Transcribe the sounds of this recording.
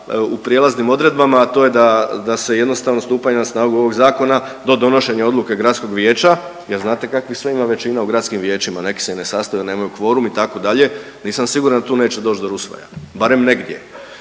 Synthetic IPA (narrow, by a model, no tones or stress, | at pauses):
upɾije̞laznimo̞d̪ɾe̞d̪̚bamaːt̪o̞ːje̞d̪ad̪ase̞je̞d̪no̞st̪aʋno̞st̪uːpaɲenasnaːɡuo̞ʋo̞ɡzaːko̞na | d̪o̞d̪o̞no̞ʃe̞ɲao̞d̪lˠuke̞ɡɾat̪sko̞ɡʋje̞ːt͡ʃajeɾznaːt̪e̞kakʋixsʋeimaʋe̞t͡ʃinauɡɾat̪skimʋje̞ːt͡ʃimane̞ki̥seinesast̪ajne̞ːmajukʋo̞ːɾumit̪ako̞d̪aʎe̞ | niːsamsiɡuɾand̪at̪uːne̞ːt͡ʃed̪o̞ːt͡ʃtd̪oɾusʋa̰ja̰baɾe̞mne̞ɡd̪ʲjḛ